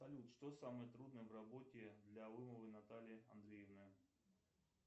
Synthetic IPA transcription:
sɐlʲut̪ʂt̪osamɨjət̪ɾud̪nəjəvrɐbo̞tʲɪd̪lʲalɨməvɨnɐt̪alʲɪɐ̰nd̪ɾʲejɪvnɨ

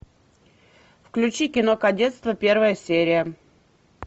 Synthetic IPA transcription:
fklʲʉt͡ɕikʲɪnokɐdʲet̪st̪vəpʲe̞rvəjəsʲeɾʲɪjə

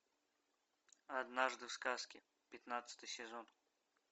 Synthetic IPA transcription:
ɐd̪naʐd̪ɨfskaskʲɪ | pʲɪt̪nat̪sɨ̥t̪ɨjsʲɪzon

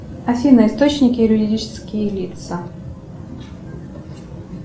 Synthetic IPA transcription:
ɐsʲinəɪst̪ot͡ɕnʲɪkʲɪɾʲʊɾʲɪdʲit͡ɕɪ̥skʲɪjəlʲit̪sə

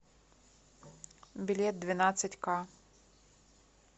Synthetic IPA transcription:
bʲilʲɛt̪̚d̪vʲɪnat̪sɐtʲka

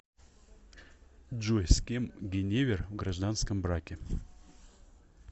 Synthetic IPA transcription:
dʒojsʲkʲemɡʲenʲevʲervɡraʒd̪anskəmbrakʲe

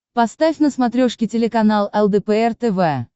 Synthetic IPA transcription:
pɐst̪afʲnəsmɐt̪ɾʲoʂkʲɪtʲɪlʲɪkɐnalˠɛlˠd̪ɛpəɛrt̪ɛvɛ

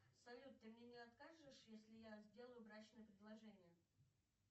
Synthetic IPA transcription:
sɐlʲut̪ːɨmnʲenʲɪɐt̪kaʐɨʂjesʲlʲɪjazʲdʲe̞lˠəjʊvɾat͡ɕnɨjəpɾʲɪd̪lˠɐʐɛnʲɪjə

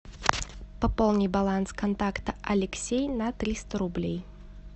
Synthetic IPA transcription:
pɐpo̞lˠnʲɪjbalˠanskʰɐnt̪akt̪əʔɐlʲɪksʲejnat̪ɾʲist̪əɾʊblʲej

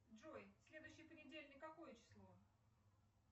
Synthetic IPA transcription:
ʐojsʲlʲe̞d̪ʊjɕːɪjəpənʲɪdʲelʲnʲɪkːɐko̞jət͡ɕɪ̥slˠo

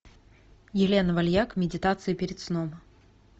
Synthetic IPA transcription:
jɪlʲenəvɐlʲjakmʲɪdʲɪt̪at̪sɨɪpʲɪɾʲɪt̪snom

